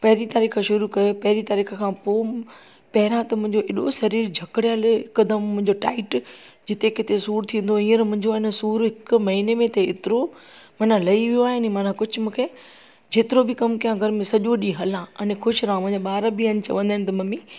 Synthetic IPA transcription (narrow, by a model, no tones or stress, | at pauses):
pɐɦɪɾit̪aːɾiːkəʃʊɾukɐjopɐɦɪɾit̪aːɾiːkʰəkʰãːpoː | pɐɦɪɾãt̪ɐmʊ̃ɦɪ̃ɲd͡ʑoɪɗosɐɾiːɾd͡ʑʱɐkɽijalɦɪkəd̪əmːʊ̃ɦɪ̃ɲd͡ʑoʈa̰ːɪʈ | d͡ʑɪt̪ekɪt̪esuːɾt̪ʰĩːən̆d̪oĩːə̃ɾmʊ̃ɦɪ̃ɲd͡ʑoɪnə̆suːɾɦɪkmɐɦinemẽt̪eɪ̰t̪ɪɾo | mɐnãlɐiʋijoaːɦɪnmanãkʊd͡ʑʱʊ̆mũːkʰe | d͡ʑeːt̪ɪɾobʱɪkɐmkijãɡʱɐɾmẽsɐʄoɗĩɦɐlãɐnẽkʰʊʃɾãmʊ̃ɦɪ̃ɲd͡ʑaɓaːɾbʱiən̆t͡ɕɐ̰ʋə̃nd̪əɪñɪ̆t̪ɐmɐmĩ